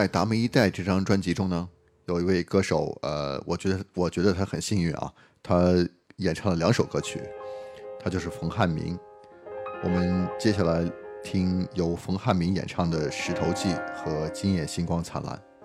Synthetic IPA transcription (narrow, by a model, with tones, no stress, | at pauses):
t͡sa˥˩ɪt̪a˧˥mə˧i˥t̪a˥˧ɪʈ͡ʂɤ˥˩ʈ͡ʂɑ˥ŋʈ͡ʂwa˥nt͡ɕi˧˥ʈ͡ʂʊ˥ŋnə˨˩ | jo˨˩ʊi˧˥we˥˧ɪkɤ˥˧ʂo˨˩˦ʊə̰˧wɔ̰˨˩t͡ɕɥɛ˧˥d̪ə˧wɔ˨˩t͡ɕɥɛ˧˥d̪ə˧t̪ʰa˥xə˨˩nɕi˥˧ŋy̰˥˩nʔɐ̰˩ | t̪ʰa˥ | jɛ˨˩nʈ͡ʂʰɑ˥˩ŋd̪ə˩ljɑ˧˥ŋʂo˨˩ʊkɤ˥t͡ɕʰy̰˨˩t̪ʰa˥t͡ɕjo˥˧ʊʂɻ̩˥˩fɤ˧˥ŋxa˥˩nmḭ˧˥ŋ | wɔ˨˩mə˧˦nt͡ɕjɛ˥ɕja˥˩la˧˥ɪt̪ʰi˥ŋjo˧˥ʊfɤ˧˥ŋxa˥˩nmi˧˥ŋjɛ̰˨˩nʈ͡ʂʰɑ˥˩ŋd̪ə˩ʂɻ̩˧˥t̪ʰo˧˥ʊt͡ɕi˥˩xɤ˧˥t͡ɕi˥njɛ˥˩nɕi˥nkwɑ˥ŋt͡sʰa̰˧˥nla̰˧˥˦n